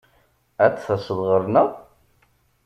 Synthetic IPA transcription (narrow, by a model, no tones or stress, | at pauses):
æt͡sːθæsəðˤʁəɾˤnə